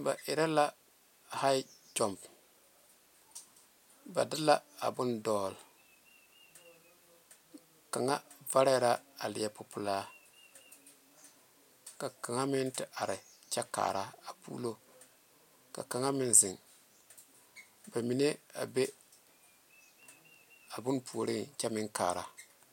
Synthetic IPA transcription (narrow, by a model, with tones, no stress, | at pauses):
ba̰˨ʔɪ˨ɾa˦la˦ | ha˦ɪ˦d͡ʒɔ˨mb | ba̰˨dɪ˦la˦a̰˨bʊ˦ndɔː˨˦˨l | ka˨ŋa˦va˦ɾɛ˦ɾa˦a˨lɪ˨ɛ˨pʊ˨pʊ˨laː˦ | ka˨ka˨ŋa˦mɪ˦ntɪ˨ʔa˨ɾɪ˨t͡ʃɛ˦ka̰ː˨ɾa˦a˨pṵ˦lo˦ | ka̰˨ka˨ŋa˦mɪ˦nzɪ˨ŋ | ba˨mi˨ne˦a̰˨be˦ | a˨bʊ˦npʰu˨o˨ɾɪ˦t͡ʃɛ˦mɪ˦ŋka̰ː˨ɾa˦